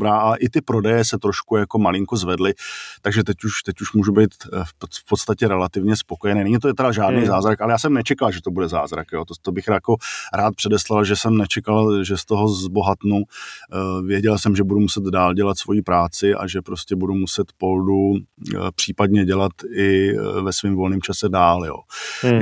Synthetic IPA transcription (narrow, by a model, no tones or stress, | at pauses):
bɾaːʔaʔɪt̪ɪpɾo̞dɛjɛsɛt̪ɾo̞ʃkujako̞malɪŋkozvɛdlɪt̪aɡʒɛt̪ɛcuʃt̪ɛcuʃmuːʒubejt̪fpo̞t̪st̪acɛɾɛlat̪ɪvɲɛspoko̞jɛnɛːnɛɲit̪ojɛt̪ɛɾaʒaːdnijzaːzɾakʔalɛjaːsɛmnɛt͡ʃɛkalʒɛt̪obudɛza̰ːzɾakjoːt̪ot̪obɪxɾakoɾaːt̪̚pr̥ɛdɛslalʒɛsɛmnɛt͡ʃɛkalʒɛst̪oɦo̞zbo̞ɦat̪nu | vjɛɟɛlsɛmʒɛbudumusɛd̪daːlɟɛlat̪svo̞jiːpɾaːt͡sɪʔa̰ʒɛpɾo̞scɛbudumusɛt̪po̞ldupr̥iːpadɲɛɟɛlat̪ɪvɛsviːmvo̞lniːmt͡ʃasɛdaːljo̰ː